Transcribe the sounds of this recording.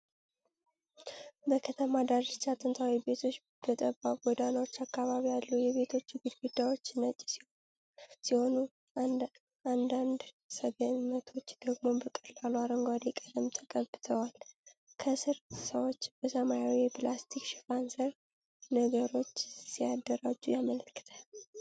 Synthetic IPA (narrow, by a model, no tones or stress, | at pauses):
bəkʰət̪ʰəmad̪aɾt͡ʃːat̪ʼɨnt̪ʰawibe̞t̪ʰo̞t͡ʃː | b̥ət̪ʼəbaɡɔd̪anəwot͡ʃːakːaβaβijalːujɛβe̞t̪ʰo̞t͡ʃːɡɨd̪ɡud̪ːawo̞t͡ʃːnət͡ʃʼːsi | siho̞nu | ʔand̪and̪ | səɡennət̪ʰo̞t͡ʃːd̪̥əɡmo̞bəkʼəlaluaɾəŋɡʷad̪ikʼəd̪əmt̪ʰəkʼəbːɨt̪ʰəwal | kʰəsɨɾsəwot͡ʃːb̥əsəmajawijɛpʰlast̪ʰikʃɪfansəɾ | nəɡəɾo̞t͡ʃːsijad̪ːəɾad͡ʒːujamələkːɨ̥t̪ʰə